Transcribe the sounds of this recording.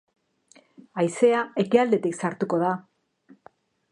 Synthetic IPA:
ajse̞ae̞kiald̪e̞t̪iksaɾt̪uko̞ð̞a

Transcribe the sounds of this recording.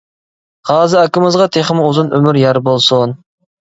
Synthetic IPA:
hɑːzɨækʲɪmɪzʁɑt̪ʰeχɪmɪuzunømyɾjæɾbolˠsun

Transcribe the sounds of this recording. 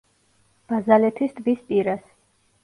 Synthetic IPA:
b̥azalɛt̪ʰisd̪ʼbispʼiɾas

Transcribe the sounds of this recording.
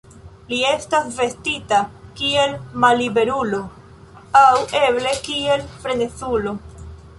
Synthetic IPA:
lie̞stasve̞stitakie̞lmalibe̞ɾulo̞ | awe̞ble̞kie̞lfɾe̞net͡sulo̞

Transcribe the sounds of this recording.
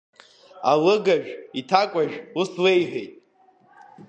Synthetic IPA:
alɨɡaʒᶣitʰakʷʼaʒᶣuslejħʷᶣejtʼ

